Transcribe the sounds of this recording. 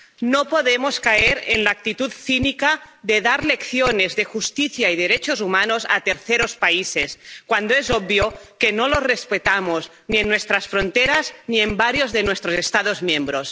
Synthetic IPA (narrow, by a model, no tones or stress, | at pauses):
nopoðemoskaeɾenlaːk̚t̪it̪ut̪θinikaðeðaɾlekθjonezðexust̪iθjaiðeɾet͡ʃozumanoza̰t̪eɾθeɾospaiseskwand̪oezɔbbjokenolozrespet̪amoz | nienːwest̪ɾasfɾont̪eɾazniembaɾjozðenwest̪ɾozest̪aðozmjembɾos